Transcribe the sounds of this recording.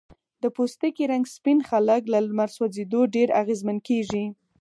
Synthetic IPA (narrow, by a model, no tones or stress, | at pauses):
d̪əpost̪əkiɾaŋɡspinxaləklalmaɾswazed̪oɖeɾaɣezmankeʐi